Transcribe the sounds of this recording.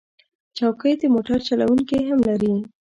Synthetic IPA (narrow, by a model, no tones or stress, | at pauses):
t͡ʃawkəjd̪əmoʈaɾt͡ʃala̰wuŋkiɦamlaɾi